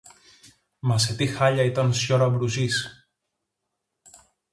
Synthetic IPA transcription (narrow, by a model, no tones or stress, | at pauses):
mɐset̪ixɐʎɐit̪ɐnsçoɾɐbɾuzis